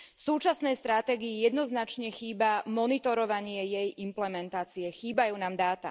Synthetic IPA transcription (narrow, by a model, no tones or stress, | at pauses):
fsuːt͡ʃasnɛjst̪ɾat̪ɛːɡiijɛd̪nɔznat͡ʃɲɛxiːbamɔnit̪ɔɾɔʋaɲɪɛjɛjimplɛmɛnt̪aːt͡siɛxiːbajuːnaːmd̪aːt̪a̰